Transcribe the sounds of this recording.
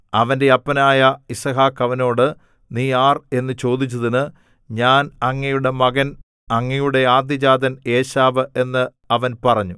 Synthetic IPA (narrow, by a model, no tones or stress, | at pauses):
ɐʋɐnde̞ɐpːɐnaːjɐisɐɦaːkːɐʋɐno̞ːɽɨ | niːaːre̞nːɨt͡ɕo̞ːd̪it͡ɕːɐðinɨ | ɲaːnɐŋːɐjuɽe̞mɐɡɐn | ɐŋːɐjuɽe̞aːd̪jɐd͡ʑaːd̪ɐne̞ːɕaːʋɨe̞nːɨ | ɐʋɐnpɐrɐɲːu